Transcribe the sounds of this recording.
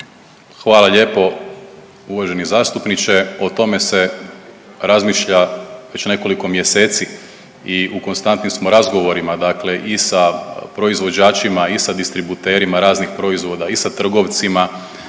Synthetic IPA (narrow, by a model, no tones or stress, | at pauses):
xʋaːlˠaʎe̞ːpo̞ | uʋaʒe̞nizaːst̪upnit͡ʃe̞o̞t̪o̞me̞se̞ | ɾazmiːʃʎaʋe̞t͡ɕne̞ko̞liko̞mje̞se̞ːt̪si | iuko̞nst̪ant̪nimsmo̞ɾazɡo̞ʋo̞ɾimad̪akle̞ʔisapɾo̞izʋo̞d͡ʑaːt͡ʃimaisad̪ist̪ɾibut̪e̞ːɾimaɾaːznixpɾo̞izʋo̞d̪aisat̪r̩ɡo̞ʋt̪sima